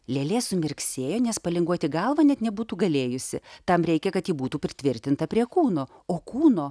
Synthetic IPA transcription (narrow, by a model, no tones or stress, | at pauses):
lʲeːlʲeːsʊmʲɪɾʲksʲeːjoːnʲɛspɐlʲɪŋɡuɔt̪ʲɪɡɐlˠʋɐnʲɛt̪nʲɛbuːt̪uːɡɐlʲeːjʊsʲɪ̰t̪ɐmɾʲɛɪkʲɛkɐt̪jiːbuːt̪uːpʲɾʲɪt̪ʲʋʲɪɾʲt̪ʲɪnt̪ɐpʲɾʲiɛkuːnoː | oːkuːnoː